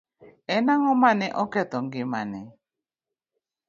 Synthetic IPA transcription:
ɛnaŋɔmanɛʔɔkɛt̪ɔŋɡɪmanɛ

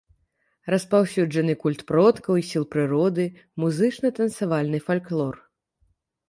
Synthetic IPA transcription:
rɐspawsʲud͡ʐɐnɨkulʲt̪pɾɔt̪kɐwisʲilˠpɾɨɾɔd̪ɨ | muzɨt͡ʂnɨt̪ɐnsavalʲnɨfalʲklˠɔr

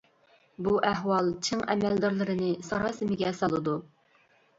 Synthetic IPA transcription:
buʔɛɦwɑlˠt͡ʃʰɨŋɛmɛld̪ɑɾlˠɨɾɨnɨsɑɾɑːsɨmɪɡʲɛsɑlˠɨd̪u

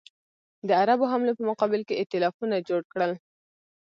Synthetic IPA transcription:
d̪əaɾaboɦamlopəmʊqɑbɪlkeɪt̪ɪlɑfunad͡ʒoɽkɽəl

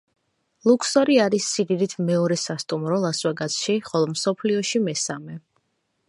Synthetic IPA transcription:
lˠuksɔɾiaɾisːid̪id̪it̪ʰmɛɔɾɛsast̪ʼumɾɔlˠaswaɡat̪sʰʃiχɔlˠɔmsɔpʰliɔʃimɛsamɛ

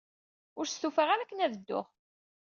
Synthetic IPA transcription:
ʊɾst̪ufəʁæɾækːənæðəd̪ːʊ̰ʁ

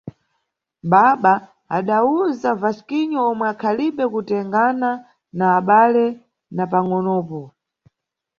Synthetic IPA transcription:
ɓaɓa | aɗauzavaskiɲɔɔmwɛakʰaliɓɛkutɛŋɡana | naːɓalɛ | napaŋɔnɔːpɔ

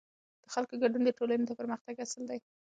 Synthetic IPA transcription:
d̪̥əxalkoɡaɖund̪əʈolanot̪apəɾməxt̪aɡasəld̪aj

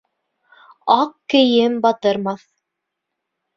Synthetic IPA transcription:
ɑqkɘ̆jɘmbɑt̪ɤ̆ɾmɑθ

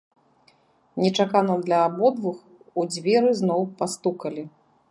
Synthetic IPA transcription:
nʲɛt͡ʂakanɐmd̪lʲɐːbɔd̪vux | ud͡zʲvʲɛɾɨznɔwpast̪ukɐlʲi

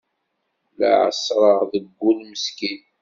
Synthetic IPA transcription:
la̰ʕə̰sɾˤəʁðəɡːulməskin

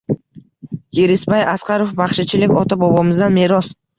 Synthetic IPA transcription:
jeɾɪsbajasqɑɾofbaχʃɪt͡ʃʰɪlɪkʲɒt̪ʰabɒbɒmɪzd̪anme̞ɾɒs

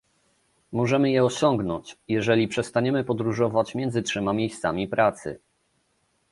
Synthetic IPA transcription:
mɔʐɛmɘjɛɔɕɔŋɡnɔɲt͡ɕjɛʐɛlʲipʂɛst̪aɲɛmɘpɔd̪ɾuʐɔvat͡ɕmʲjɛnzɘtʂɛmamʲjejst̪samʲipɾat̪sɘ̰

